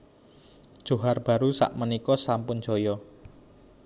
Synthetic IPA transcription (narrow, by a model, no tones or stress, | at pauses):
d̥ʒ̥o̤ɦarb̥a̤ɾusa̰ʔmənikɔsampʊn̥d͡ʒ̥o̤jɔ